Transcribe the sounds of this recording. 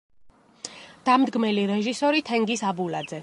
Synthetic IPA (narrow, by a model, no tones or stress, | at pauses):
d̪̥amd̪ɡmɛliɾɛʒisɔɾit̪ʰɛŋɡisabulad̪zɛ